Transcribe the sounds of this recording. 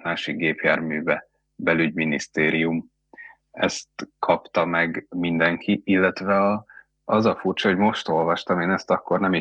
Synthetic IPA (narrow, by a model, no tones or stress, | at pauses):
maːʃik̚ɡeːpjaːrmyːvɛ | bɛlyɟminist̪eːɾijum | ɛst̪kʰɒpt̪ɒmɛɡmind̪ɛŋkʰiʔilːɛt̪ʋɛɒ | ɒzɒfurt͡ʃɒɦoɟmo̞ʃt̪o̞lvɒʃt̪ɒmeːnɛst̪ɒkːo̞rnɛmi